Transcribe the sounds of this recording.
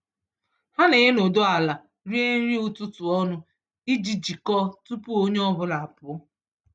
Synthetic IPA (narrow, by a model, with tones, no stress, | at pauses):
ha˦ne˨ɦe˦no˨do˦a˨la˨ | ɾi˦e˦ɾi˦u˦tʊ˦tʊ˨ɔ˦nʊ˦ | i˦d͡ʒi˨d͡ʒi˨kɔ˦tu˦pu˦o˦ɲe˦ɔ˦bʊ˦la˨a˨pʊ˨˦